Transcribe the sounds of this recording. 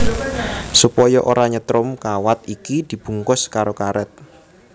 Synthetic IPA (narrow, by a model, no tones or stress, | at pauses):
supɔjɔʔoɾaɲət̪ɾʊmkawat̪̚ikid̪̥i̤b̥ṳŋkʊskaɾokaɾɛt̪̚